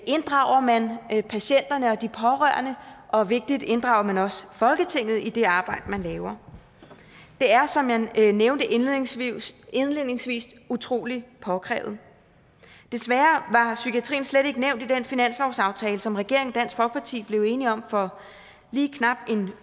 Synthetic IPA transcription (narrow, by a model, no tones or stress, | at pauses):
ʔe̝nd̥ʁɑ̈ʊ̰ɐmænpʰæɕen̰d̥ɐnəɒ̽d̥ipʰɒ̽ʁœɐnəʔɒ̽ʋe̝ɡ̥̚d̥id̥e̝nd̥ʁɑ̈ʊɐmænɒ̽səfɒ̽lɡ̥ət͡sʰe̝ŋ̰ð̞̩ˠid̥e̝ɑ̈ːb̥ɑ̈ɪ̰d̥əmænlɛːʊɐ | d̥e̝æɐsɒ̽mjæneʊnd̥ə | enle̝ð̰ˠne̝ŋsʋḭːs | ut͡sʰʁo̝̰ːlipʰɒ̽kʰʁɛ̰ːʊð̩ˠ | d̥e̝sʋæːɐʋɑ̈sykʰiæt͡sʰʁḭːn̩sled̥ɾe̝ɡ̥əneʊ̰nd̥id̥enfinæn̰slɒʊsɑ̈ʊt͡sʰɛːləsɒ̽mʁɛɡ̥e̝̰ɐ̰e̝ŋɒd̥æn̰sɡ̥fɒ̽lɡ̥əpʰɑ̈t͡sʰḭːb̥le̝ʊe̝ːniɒ̽mfɒ̽ | liːkʰnɑ̈b̥e̝n